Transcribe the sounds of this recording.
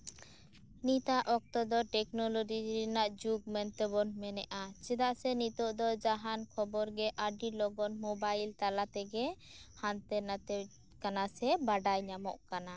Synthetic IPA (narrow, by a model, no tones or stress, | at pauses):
nit̪aʔɔk̚t̪ɔd̪ɔʈɛknɔlɔd͡ʒiɾɛnaʔd͡ʒuɡ̚mɛnt̪ɛbɔnmɛnɛʔat͡ʃɛd̪aʔsɛnit̪ɔʔd̪ɔd͡ʒaɦankʰɔbɔɾɡɛʔaɖilɔɡɔnmɔbajlt̪alat̪ɛɡɛ | hant̪ɛnat̪ɛ | kanasɛbaɖajɲamɔ̰ʔkana